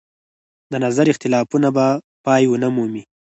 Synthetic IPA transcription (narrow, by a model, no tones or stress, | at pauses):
d̪ənazaɾɪxt̪ɪlɑfunaba | pɑjwənəmumi